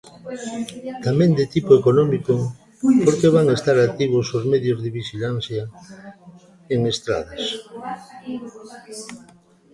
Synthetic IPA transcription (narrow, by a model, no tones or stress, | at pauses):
t̪amẽnd̪et̪ipoekonɔmiko | poɾkeβaŋest̪aɾak̚t̪iβʊsozmeðjozðeβiʃilan̟θja | eŋest̪ɾa̰ðas